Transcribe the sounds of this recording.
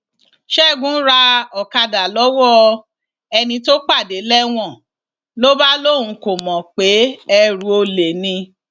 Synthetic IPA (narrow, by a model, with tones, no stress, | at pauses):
ʃɛ˦˨ɡũ˦ɾa˧ɔ˨ka˧da˨lɔ˨˦wɔ˦˧ | ɛ˧nĩ˧to˦k͡pa˦˨de˨˦lɛ˦w̃ɔ̃˦˨ | lo˦ba˦lo˦˨ũ˨˦ko˨mɔ̃˨k͡pe˨˦ɛ˧ɾu˨˧˦o˧le˨nĩ˧